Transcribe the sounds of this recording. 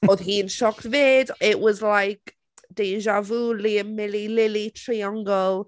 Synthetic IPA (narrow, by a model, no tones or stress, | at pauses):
oːð̥ɦiːnʃɔktveːdɪʔwɔzlajk | d̥eːʒavuːliəmɪlilɪlitʰriãŋɡɔlˠ